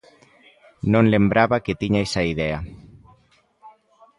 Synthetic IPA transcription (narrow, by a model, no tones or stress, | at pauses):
nõnlembɾaβaket̪iɲajsaiðɛa